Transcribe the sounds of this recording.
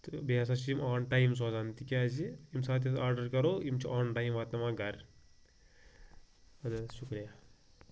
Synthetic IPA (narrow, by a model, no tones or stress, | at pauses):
t̪baːs̬aːt͡ʃiimaːnʈaːjms̬oːzant̪ikʲaːziimsaːt̪̬ɐaːɾɖɐɾkɐɾoːimt͡ʃʰiʔaːnʈaːjmʋaːt̪nɐmaːɡɐɾ | ɐd̪ʃukɾija